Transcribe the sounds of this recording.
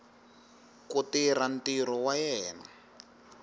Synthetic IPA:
kutiɾan̩tiɾɔwajɛːna

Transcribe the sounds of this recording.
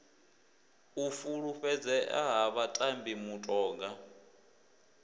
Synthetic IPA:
ufuɺuɸɛd͡zɛʔa̰ɦaβatʼambimutʼɔːŋɡa

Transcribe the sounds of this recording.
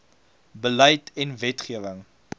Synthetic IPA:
bələjtɛnvɛtχiəvəŋ

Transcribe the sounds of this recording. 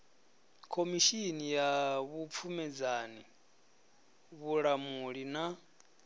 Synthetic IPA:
kʰomiʃinijaβup̪fʰumɛd͡zani | βuɺamuɺina

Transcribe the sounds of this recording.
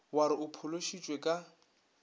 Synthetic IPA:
waɾɪʊpʰʊloʃit͡ʃʼwekʼa

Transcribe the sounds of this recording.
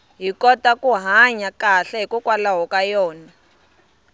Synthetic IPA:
ɦikɔtakuɦaɲakaɬɛɦikukwalaɦɔkajɔːna

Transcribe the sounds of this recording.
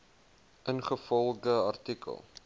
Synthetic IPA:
ʔənχəfɔlˠdəɐ̰rtikə̰lˠ

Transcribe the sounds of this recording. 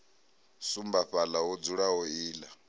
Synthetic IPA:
sumbaɸalaɦɔd͡zuɺaɦɔiːla

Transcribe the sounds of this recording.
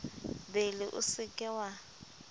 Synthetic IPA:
belɪʔʊ̰sɪkʼɛwa

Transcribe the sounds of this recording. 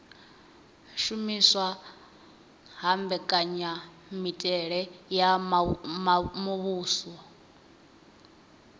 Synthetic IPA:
ʃumiswa | ɦambɛkʼaɲa | mitʼɛɺɛja | mmuβuːswɔ

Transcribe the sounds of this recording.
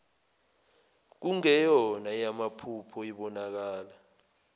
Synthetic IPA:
k̬uŋɛjɔnajamapʰupʰɔiɓɔnak̬aːla

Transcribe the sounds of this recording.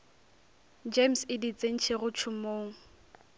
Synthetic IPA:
d͡ʒemsɪdit͡sʼeŋ̩t͡ʃʰeɣʊt͡ʃʰʊmoːŋ̩

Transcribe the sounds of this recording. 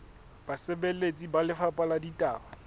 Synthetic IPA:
b̥asɪbelet͡sʼibalɪfapʼaladitʼaːwa

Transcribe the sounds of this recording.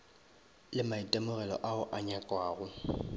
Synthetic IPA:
lɪmaitʼɛmʊɣɛlɔ̰ʔaʊʔaɲakʼwaːɣʊ

